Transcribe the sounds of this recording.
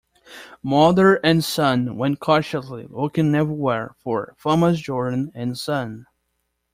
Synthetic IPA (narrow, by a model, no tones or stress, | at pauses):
mʌðə˞ʔɨ̃nsʌ̃nwɛ̃nkʰɔʃɨslḭokɨ̃ŋːɛvə˞wɛɹfə˞fɑməzd͡ʒɔɹdⁿn̩ɨ̃nsʌ̃n